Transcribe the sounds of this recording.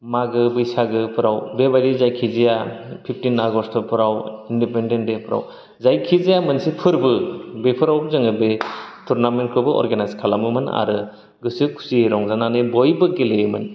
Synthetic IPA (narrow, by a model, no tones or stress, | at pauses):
maɡɯbɯjsaɡɯpʰɯɾawbebaɾizajkʰizijapʰip̚ʰtinaɡɔstʰɔpʰɯɾawindipendendepʰɯɾa̰w | zajkʰizijamɯnsipʰɯɾbɯbepʰɯɾawbzɯŋɯbetʰuɾnament̚kʰɯbɯɔ̰ɾɡanajzkʰalamɯmɯna̰ɾɯ | ɡɯsɯkʰu̥sieɾɔŋzananɯbɔjbɯɡelemɯn